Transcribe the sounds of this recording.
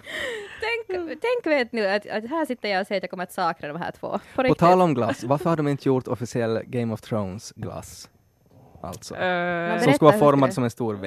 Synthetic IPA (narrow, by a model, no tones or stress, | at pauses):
t̪ʰɛŋkt̪ʰɛŋkʋeːt̪nʉːat̪a̰t̪ɦæːʂɪt̪ːəɾjɑɔsɛːɾat̪jɑːkɔməɾat̪sɑːkɾad̪ɔmɦæ̰ːʈʰv̥o̰ːpʰɔɾɪɔt̪ʰɑːlaɔmɡlasvaɾfœɾhad̪əɔmɪnt̪əjut̪ɔfɪsɪɛlːɡɛɪmɔft̪ʰɾoʊnsɡla̰s | ʔa̰lt̪sɔ̰sɔmskalɑːfɔɾmad̪sɔmɛnst̪uːɾ